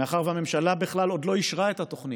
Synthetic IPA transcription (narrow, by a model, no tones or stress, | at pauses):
eaχaʁvame̞mʃalabiχlalo̞d̪lo̞iʃʁaet̪hat̪o̞χni